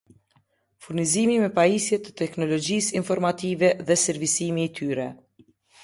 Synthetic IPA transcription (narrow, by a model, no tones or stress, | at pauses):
fuɾnizimimɛpaisjɛt̪ə̥t̪ɛknɔlɔd͡ʒisinfɔɾmat̪ivɛðɛsɛɾvisimiːt̪ʰyɾɛ